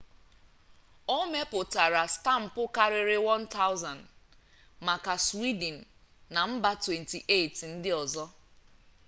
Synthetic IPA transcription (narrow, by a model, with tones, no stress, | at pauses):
o˦me˦pʊ˨ta˨ɾa˨sta˦˨m̩˨pʊ˦ka˦ɾɪ˨ɾɪ˦wɔ˦nta˦ʊ˦za˨n | ma˨ka˨swi˦d̩˨n̩˨ | na˨m̩˦ba˦twe˨nti˨ʔe˦˨tn̩˦dɪ˦ɔ˨zɔ˦